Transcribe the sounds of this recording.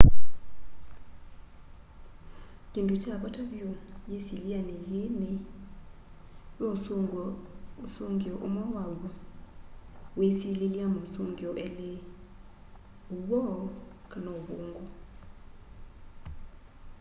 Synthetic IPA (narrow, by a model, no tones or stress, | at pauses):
kʼindʼut͡ʃʰaɓɔtʰabiɔjesilianɛjini | jo | suŋɡiɔʔumawaɡɔ | wesililiamɔsuŋɡɔʔɛlɪ | uwɔkʰʼanɔhuːŋɡɔ